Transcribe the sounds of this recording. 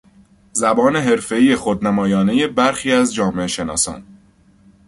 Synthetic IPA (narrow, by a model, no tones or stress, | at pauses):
zæbɒːne̞ɦe̞ɾfe̞iːjexod̪næmɒːjɒːne̞je̞bæɾxiːæzd͡ʒɒːme̞eʃe̞nɒ̰ːsɒ̰ːn